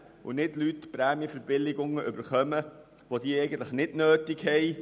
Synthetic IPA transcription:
ʊ̰nɪtlytpɾæːmjəfəbɪlɪɡʊŋəʔʏbəɾχœmə | ʋod̥iəɛɪɡən̩tləχnɪdnøːtɪɡhɛj

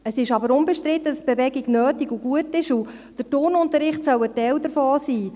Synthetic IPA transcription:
əsɪʃɑbəɾʊnbɛʃtɾɪt̪ːəd̥əsb̥ɛvɛɡiɡnøːtiɡuɡuətɪʃu | d̥ətʊrnʊntəɾɪχtsœwətɛwdəɾfoːsiː

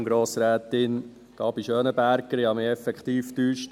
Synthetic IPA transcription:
ŋɡɾoːsɾæːt̪ɪn | ɡ̥ɑːb̥iʃøːnəbæɾkːəɾihɑmɪːɛfɛkt̪iːftyːʃt

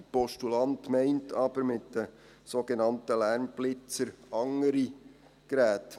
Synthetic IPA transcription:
pɔʃtulɑntmæɪntʰɑːbəɾmɪtd̥ə | soɡenɑntəlæɾmblɪt͡səɾɑŋəɾi | kɾæːt

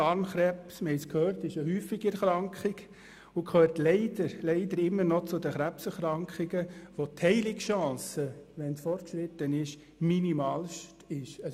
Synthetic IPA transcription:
ɑːɾnχɾɛpsməhɛɪskʰhøːɾtɪʃəɦyːfɪɡɛɾχɾɑŋkχɪɡ | ʊkʰχøːɾtlɛɪd̪əɾlɛɪd̪əɾɪmːəɾnɔt͡sʊd̪əχɾæpsɛχɾɑŋkχiɡəʋot̪ʰhɛɪlɪkʃɑ̃ːsəʋɛnsfɔrt̚kʃɾɪt̪ːənɪʃ | minimɑːlʃtɪʃɑ

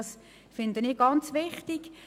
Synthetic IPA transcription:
s | fɪnd̪əniːɡɑnt͡sʋɪχtiɡ̥

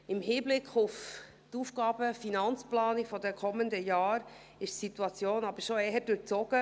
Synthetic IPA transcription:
ɪmhiːblɪkχʊf | tuːfɡɑːbəfinɑnt͡splɑːnifɔdɛkʰɔməndəjɑːɾ | ɪʃtsituɑt͡sjoːnɑb̥əɾʃoeːəd̥øɾt͡sɔɡ̥ə

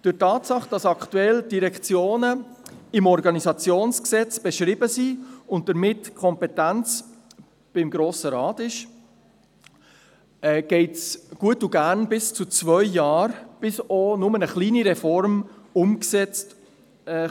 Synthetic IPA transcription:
d̥ʏtɑːtsɑχd̥ɑsɑktuɛld̥iɾɛkt͡sjoːnəɪmɔɾɡɑnizɑt͡sjoːnsksɛt͡sb̥ɛʃɾɪbəsiʊnt̚d̥əɾmɪtkʰɔmpɛtænt͡s | b̥ɪmɡɾoːsəɾɑːtɪʃ | ɛːɡ̥ɛɪtsɡ̥uətuɡæɾnbɪst͡sut͡svœʏjɑːɾb̥ɪsonʊmənəχliːniɾɛfɔɾm | ʊmksɛt͡st | ɛ

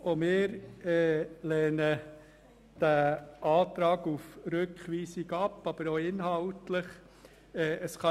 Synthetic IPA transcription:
omɪːɾɛːlɛːnə | d̥æʔɑːtɾɑːɡufɾøkʰχʋiːsiɡɑpːɑb̥əɾoɪnɦɑʊtləχ | ɛːʔəsχɑ

